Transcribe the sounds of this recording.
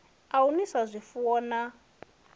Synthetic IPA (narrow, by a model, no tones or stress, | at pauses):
aunisazʷifɔːna